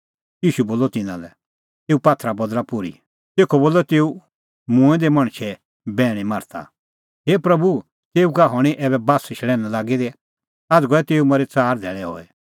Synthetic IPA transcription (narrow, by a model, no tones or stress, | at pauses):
jiːʃuboːlɔt̪ɪnã̰lɛ | t̪eːupaːt̪ʰɾabɐd̪lapʊɾḭ | t̪eːkʰɔboːlːɔt̪eːu | mũɛ̃d̪ɛmɐ̃ɽ̃ʃʰɛ | bɛːɽ̃ɛmaɾt̪ʰa̰ | ɦeːpɾɐbu | t̪eːukaɦɔɽ̃iʔɛːβɛbaːsɪʃlɛːnãlaːɡid̪ɛ | ad͡zɡɔɛt̪eːumɐɾɛt͡saːɾd̪ʱɛːɭɛɦɔ̰ːɛ